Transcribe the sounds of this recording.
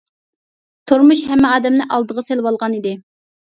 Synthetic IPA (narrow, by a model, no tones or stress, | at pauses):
t̪ʰuɾmuʃhɛmːæɑːd̪ɛmnɪʔɑlˠd̪əʁɑselwɑlˠʁɑnid̪ɪ